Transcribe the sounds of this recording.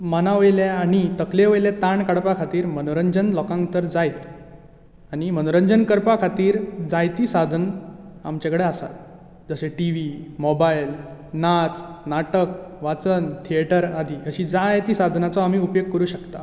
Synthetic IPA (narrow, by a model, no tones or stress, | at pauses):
mənaʋəjljaaɽ̃it̪əkleʋəjlet̪aɳkaɽpakʰat̪iːɾmənoɾəɲd͡ʑənlɔkãŋkt̪əɾd͡zajt̪ | aɽ̃imənoɾəɲd͡ʑənkəɾpakʰat̪iːɾd͡zajt̪iːsad̪ʱəna̰mt͡ɕakɽeasa̰t̪ | d͡zəɕeʈiʋimɔbajlnat͡snaʈəkʋat͡sənt̪ʰieʈəɾad̪ʱiːəɕiːd͡zajt̪iːsad̪ʱnat͡sɔam̤iːupjoɡ̚kəɾuːɕəkt̪a